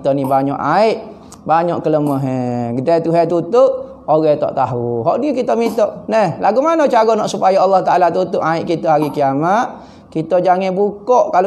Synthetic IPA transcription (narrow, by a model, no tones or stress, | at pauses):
t̪onibaɲɔ̰ʔaɪʔ | baɲɔʔkələməɦɛɡədat̪uɦɛt̪ut̪ʊʔ | oɣɛt̪ɔ̰ʔt̪aɦuɦɔʔnikit̪omit̪ɔʔnɛhlaɡumanot͡ʃaɡɔnɔʔsupajaːlːɑht̪aʔalat̪ut̪ʊʔaiʔkit̪ɔɦaɾikiamaʔ̪ | kit̪od͡ʒaŋɛbukɔʔkal